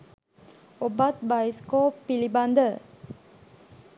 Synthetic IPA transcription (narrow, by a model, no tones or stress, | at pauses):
obat̪̚bajskopilibãndə